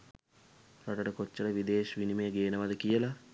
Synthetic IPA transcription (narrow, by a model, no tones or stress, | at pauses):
ɾaʈəʈəkot͡ʃːələʋid̪eːʃʋinimejəɡeːnəʋad̪əkijəla